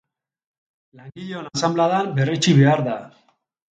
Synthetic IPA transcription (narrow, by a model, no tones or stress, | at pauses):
laŋɡiʎonasamblaðambe̞ret͡ʃiβe̞aɾða